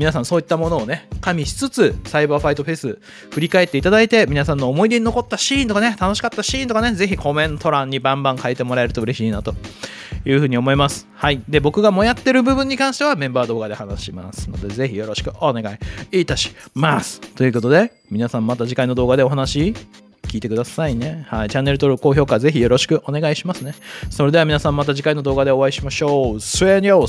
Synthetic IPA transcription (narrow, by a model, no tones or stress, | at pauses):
mʲinasãɰ̃soːit̪ːamo̞no̞ːne̞kamʲiɕi̥t͡sɨt͡sɨsaibaːɸait̪o̞ɸe̞sɨ | ɸɯ̟ɾʲikaet̪ːe̞it̪ad̪ait̪e̞mʲinasãnːo̞ːmo̞id̪e̞ɲino̞ko̞t̪ːaɕĩːnt̪o̞kane̞t̪ano̞ɕi̥kat̪ːaɕiːnt̪okane̞ze̞çikʰo̞mẽ̞nt̪ʰo̞ɾãɲ̟ːibãmbãŋkaet̪e̞mo̞ɾae̞ɾɯ̟t̪o̞ɯ̟ɾe̞ɕiːnat̪o̞ | jɯ̟ːɯ̟ːɲ̟io̞mo̞imasɨ̥haid̪e̞bo̞kɯ̟ɡamo̞jat̪ːe̞ɾɯ̟bɯ̟bɯ̟̃ɲ̟ːikãɰ̃ɕi̥t̪eamẽ̞mbaːd̪o̞ːɡad̪e̞hanaɕima̰sɨ̥no̞̰d̪e̞ze̞çijo̞ɾo̞ɕi̥kɯ̟ʔo̞ne̞ɡaiit̪aɕi̥masɨ̥t̪o̞jɯ̟ko̞t̪o̞d̪e̞ | mʲinasãmːat̪aʑikainːo̞d̪oːɡad̪e̞o̞ɦanaɕi | kʲiːt̪e̞kɯ̟d̪asaine̞hait͡ɕãnːe̞ɾɯ̟t̪o̞ɾɯko̞ːço̞ːkaze̞çijo̞ɾo̞ɕi̥kɯ̟ʔo̞ne̞ɡaiɕimasɨne̞so̞ɾe̞d̪e̞amʲinasãmːat̪aʑikainːo̞d̪o̞ːɡad̪eo̞βaiɕimaɕo̞ːsɨeɲoː